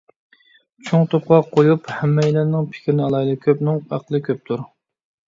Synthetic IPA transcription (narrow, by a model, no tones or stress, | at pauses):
t͡ʃʰoŋt̪ʰop̚qɑqʰːojuphɛmːɛjlæɾnɪŋpʰɪ̥kʰʲɪɾnɪɑlˠɑid̪ɨkʲʰøpnɪŋæ̰qəlˠɨkʲʰøp̚t̪ʰuɾ